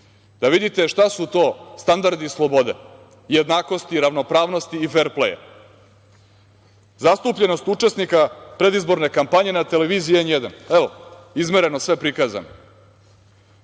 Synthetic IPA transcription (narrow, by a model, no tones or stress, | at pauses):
d̪̥aʋid̪it̪e̞ʃt̪asut̪o̞ːst̪and̪aɾd̪islˠobo̞d̪ḛ | jed̪naːko̞st̪iɾaʋno̞pɾaːʋno̞st̪iːfe̞ɾplḛja̰ | zast̪upʎe̞no̞st̪ut͡ʂe̞snikapɾe̞d̪izbo̞ɾne̞kampaɲe̞nat̪eleʋiːzijenjed̪aneʋoizmeɾe̞no̞sʋe̞pɾikaːza̰no